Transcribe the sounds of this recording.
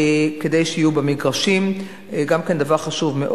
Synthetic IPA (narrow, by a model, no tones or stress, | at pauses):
ke̞dejʃeijubemiɡʁaʃim | ɡamkend̪avaʁχaʃuvmeʔ